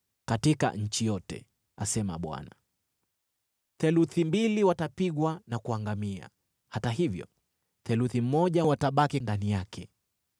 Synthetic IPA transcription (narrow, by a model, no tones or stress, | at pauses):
katika̰ɲ̩t͡ʃijɔtɛ̰ | asɛma̰ɓwa̰na | θɛluθimbiliwatapiɠwanakuaŋɡamia̰ | hataɦivjɔ̰ | θɛluθim̩mɔʄawataɓakɛndanijakʰɛ